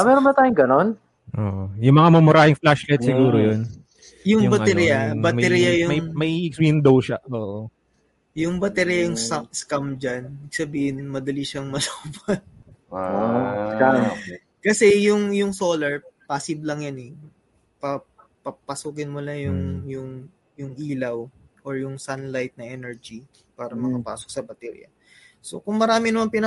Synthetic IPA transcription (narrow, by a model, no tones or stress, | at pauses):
mɛːɾonbɐnt̪aːjʊŋɡɐnon | ʔoːʔojʊŋmɐŋamɐmʊɾaːhɪŋflaʃlɛt̪sɪɡuːɾojon | jʊŋbɐt̪ɛɾijɐbɐmɐɛɾijajʊmɐjmɐiɪkswihɪnd̪ɐwʃaʔoːʔo | jʊŋbɐt̪ɛɾijɐjʊŋsaskamd͡ʒɐnbiɡ̥̚sɐbiːhɪnmɐd̪ɐliʃɐŋmɐlubɐn | a | kɐsɛjʊŋjʊŋsoːlɐɹpasɪblɐŋjanɛ | pɐ | pɐpɐsuːkɪnmʊlajʊŋjʊŋ | jʊŋʔiːlɐwʔoɹjʊŋsanlajt̪̚nɐʔɛnɛɹd͡ʒi | paːɾɐmɐkɐpa̰ːsok̚sɐbɐt̪ɛɾ̰ɐ̰ | so̞̰kʊŋmɐɾaːmɪnɐmanpɪnɐ